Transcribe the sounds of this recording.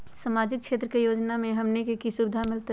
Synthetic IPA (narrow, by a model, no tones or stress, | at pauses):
səmaːd͡ʒɪk̚kʃʰeːt̪ɾəkejoːd͡ʒnamẽɦɐmnekekisubɪd̪ʱamɪlt̪